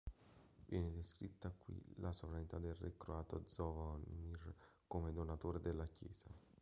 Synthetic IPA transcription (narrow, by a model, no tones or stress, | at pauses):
vjɛːned̪eskɾit̪ːakːwḭlʔasovɾanit̪ad̪elrekɾoaːt̪od̪zɔvanmir | komed̪onat̪oːɾed̪elːakjɛ̰ːz̥a